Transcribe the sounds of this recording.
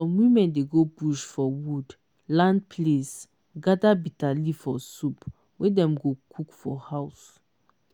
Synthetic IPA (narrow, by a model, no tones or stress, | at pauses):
ɔ̃mwĩmɛ̃ndeɡobuʃfɔwud | lãnd̚pʰles | ɡadabitalifɔsup | wɛdɛ̃mɡokʰukfɔhaʊs